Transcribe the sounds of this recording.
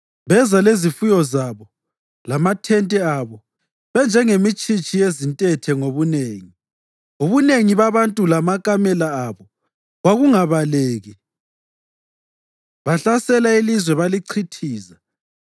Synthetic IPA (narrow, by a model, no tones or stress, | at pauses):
βɛzalezifujɔzaβɔ | lamatʰɛntʼɛaβɔ | βɛnd͡ʒʱɛŋemit͡ʃʼit͡ʃʼijezintʼɛtʰɛŋoβuneːŋi | uβuneŋiβaβantʼulamakʼamɛlaaβɔ | ɣaɣuŋaβaleːɣi | βaɬasɛlailizwɛβaliǀʰitʰiːza